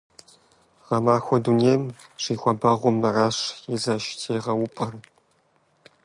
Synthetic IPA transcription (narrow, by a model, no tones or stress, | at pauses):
ʁɐmaːxʷɔduneːmʂiːxʷɐbɐʁʷʊmːɐrɐʂjɛzɐʃtʰeːʁɐwʊpʼɐr